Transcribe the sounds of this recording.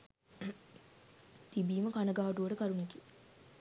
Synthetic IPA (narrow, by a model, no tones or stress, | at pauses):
t̪ibiːməkanəɡaːʋɐʈuʋəʈəkaɾunike